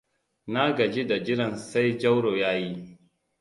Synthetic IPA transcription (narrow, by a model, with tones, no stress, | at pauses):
na˦ɡɐ˨d͡ʒi˦da˨d͡ʒɪ˦ɽɐ˨nsa˦jd͡ʒɐ˦wɽoː˨jaː˦ji˦